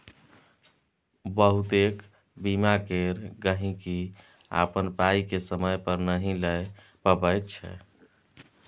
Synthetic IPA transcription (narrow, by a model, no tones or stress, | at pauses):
bəɦut̪ek | bimakeɾɡəɦĩki | a̰pənpaikesəməjpəɾnəɦĩlɛ | pəbəjt̪t͡ʃʰɛ̰